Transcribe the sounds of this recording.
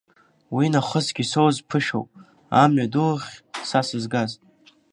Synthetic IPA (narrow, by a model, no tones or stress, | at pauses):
winaχəzɡʲisowzpʰɨʃo̰wpʼ | amɥadulχʲsasɨzɡaztʼ